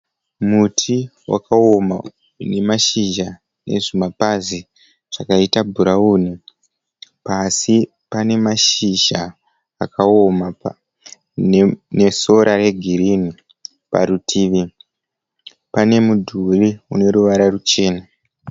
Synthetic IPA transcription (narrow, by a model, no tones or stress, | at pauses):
mutʰiwa̰kʰaoma | ne̞maʃiʒa | ne̞̰ʐimapazi | ʐ̥akaitabʱuɾauːni | pasi | pane̞maʃiʒaː | kʰaoma | neso̞ɾʔaɾe̞ɡʱiɾini | pa̰ɾutʰiːʋi | pane̞mudʱuliuno̞ɾuʋaɾarut͡ʃe̞ːna